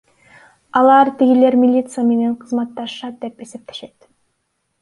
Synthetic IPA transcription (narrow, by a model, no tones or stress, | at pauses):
ɑlˠɑɾt̪iɡile̞ɾmʲilʲit̪sɨjame̞ne̞ɴqʰɯzmɑt̪ːɑʃʃɑt̪̚d̪e̞pe̞se̞p̚t̪ʰe̞ʃe̞t̪